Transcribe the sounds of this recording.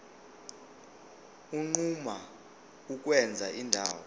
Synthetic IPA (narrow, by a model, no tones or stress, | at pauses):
uŋ͡ǃuma | uk̬ʼwɛnd͡zʱaʔindʱaːwɔ